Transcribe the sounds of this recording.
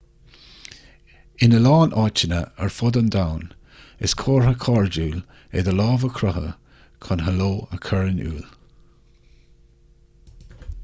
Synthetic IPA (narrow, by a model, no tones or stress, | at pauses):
ɪnəlɑːnʔɑːt͡ʃənə̰əɹfɔd̪ənd̪awn | ɪskʰoːɹhəkʰɑɹd͡ʒuːl | ḛd̪əlɑːvəkʰɾɔɦə̰ | kʰɔnɦəloːəkʰəɹənṵːl